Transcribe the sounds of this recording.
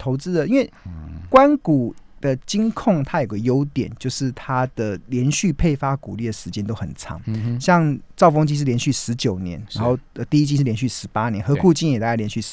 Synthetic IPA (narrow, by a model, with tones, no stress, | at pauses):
t̪ʰo˧ʊt͡sɹ̩˥d̪ə˨i˥nwe˥˩ɪkwa˦nku˨˩d̪̥ə˨t͡ɕi˥ŋkʰʊ˥˩ŋt̪ʰa˥jo˨˩ʊɡə˩jo˦˥ʊt̪jɛ̰˨˩nt͡ɕjo˥˧ʊʂɻ̩˥˩t̪ʰa˦d̪̥ə˨ljɛ˧˥nɕy˥˧pʰe˥˩ɪfa˥ku˨˩li˥˩d̪ə˩ʂɻ̩˧˥t͡ɕjɛ˥nt̪o˥ʊxə̰˨˩nt͡sʰɑ̰˧˥˦ŋɕjɑ˥˧ŋt͡sɑ˥˧ʊfo˥ŋt͡ɕi˥ʂ̬ɻ̩˥˩ljɛ˧nɕy˥˩ʂɻ̩˧˦t͡ɕjo˨˩ʊnjɛ̰˧˦nɻa˧˥nxo˥˧ʊə˧˩t̪i˥˧i˥t͡ɕi˥ʂ̩˥˩˨jɛ˧˥nɕy˥˩ʂɻ̩˧˥pa˥njɛ˦nxɤ˧˥kʰu˥˩t͡ɕi˥njɛ˨˩t̪a˥˧t͡ɕa˥˩ljɛ˧˥nɕy˥˩